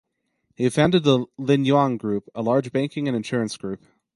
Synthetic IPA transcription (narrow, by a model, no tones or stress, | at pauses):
hiɨ̥fãndɨd̪̚ðəlɪ̃njɑ̃ŋɡɹʉpəlɑɹd͡ʒbæ̃ɪ̃ŋkɪ̃ŋɨ̃nɨ̃nʃʊɹɨ̃nsɡ̥ɹʉp